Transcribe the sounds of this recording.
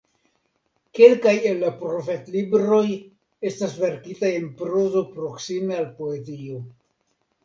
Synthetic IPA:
ke̞lkajelːapɾofetlibɾo̞j | e̞stasve̞ɾkitaje̞npɾo̞zo̞pɾo̞ksime̞alpo̞ezio̞

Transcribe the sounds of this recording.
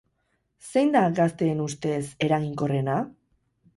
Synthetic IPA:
se̞jnd̪aɡast̪e̞ːnust̪e̞se̞ɾaɣiŋko̞re̞na

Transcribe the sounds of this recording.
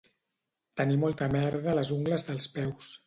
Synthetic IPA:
t̪ənimɔlˠt̪əmɛɾðələzuŋɡləzðəlˠspɛws

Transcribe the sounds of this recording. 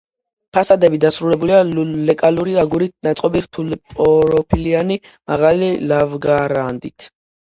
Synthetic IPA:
pʰasad̪ɛbid̪asɾulɛbulialɛkʼaluɾiaɡuɾit̪̚nat̪sqʼɔbiɾt̪ʰulipʼɔɾɔpʰiliani | maʁalilavɡaɾand̪it̪ʰ

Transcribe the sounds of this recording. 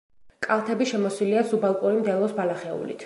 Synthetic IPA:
kʼalˠt̪ʰɛbiʃɛmɔswiliasubalˠkʼuɾimd̪ɛlˠɔsbalaχɛṵlḭt̪ʰ

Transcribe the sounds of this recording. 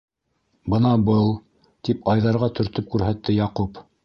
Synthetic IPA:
bɤnɑbɤlˠ | t̪ipɑjðɑɾʁɑt̪ɵ̆ɾt̪ɵp̚kʉɾɦæt̪ːɘjɑqup

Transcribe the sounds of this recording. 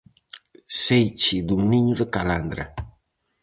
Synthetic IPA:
sejt͡ʃid̪uŋniɲuðəkaland̪ɾa̰

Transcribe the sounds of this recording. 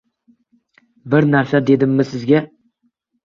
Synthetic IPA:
bɪɾnaɾsad̪e̞d̪ɪmːɪsɪzɡʲa

